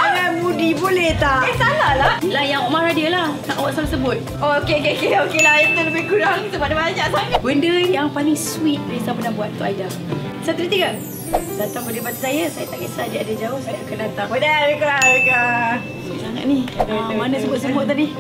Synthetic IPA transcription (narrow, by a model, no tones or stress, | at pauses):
aamudibolɛht̪akasalalalajaŋomaɾadiəlahnaŋawaʔsalsəbʊt̪̚ | ookeokeokeokelaipk̪aləbɪhkuɾaŋsəbadabaaɲaʔsabəndəjaŋpalɪŋswit̪̚ɾisapənabuat̪̚t̪uʔaja | sat̪ɾit̪iɡa | sat̪aŋbədibat̪usajəsajat̪aʔkaʔsad͡ʒiadad͡ʒaʊhsajt̪akənat̪aodaɾəkaka | sosaŋa̰ʔ̚niamanãsəbʊt̪̚səmʊʔt̪̬ːadi